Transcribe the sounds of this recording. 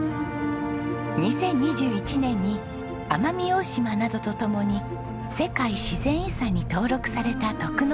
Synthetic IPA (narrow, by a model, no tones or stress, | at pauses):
ɲ̟isẽ̞ɲ̟ːiʑɨːit͡ɕinẽ̞ɲ̟ːi | amamʲioɕimanad̪o̞t̪o̞t̪o̞mo̞ɲ̟i | se̞kaiɕizẽ̞ɰ̃isaɲ̟ːit̪o̞ːɾo̞kɯ̟̥saɾe̞t̪at̪o̞kɯ̟n